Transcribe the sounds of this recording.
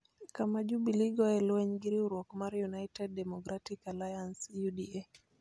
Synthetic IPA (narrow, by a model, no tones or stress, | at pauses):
kamaʄubiliɡɔɛluɛɲɡiɾiuɾwɔkɔmaɾjunaitɛd̚dɛmɔkɾatikalajansjudiɛ